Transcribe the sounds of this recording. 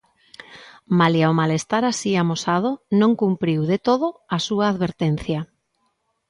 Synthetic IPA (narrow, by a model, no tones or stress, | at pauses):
maliawmalest̪aɾasiamosað̞onõŋkumpɾiwðet̪oð̞oasuaːðβeɾt̪en̟θja